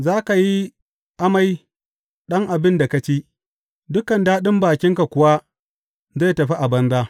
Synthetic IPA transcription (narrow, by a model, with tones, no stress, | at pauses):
zaː˦ka˨ji˦ | ʔa˦ma˦j | ɗɐ˦ŋʔa˨bɪ˦nda˨ka˦t͡ʃiː˦ | dʊ˦kɐ˨ndaː˦ɗɪ˦mbaː˨kʲɪ˦ŋka˨kʷʊ˨wa˦ | za˦˨tɐ˨ɸi˦ʔa˨bɐ˦nzaː˦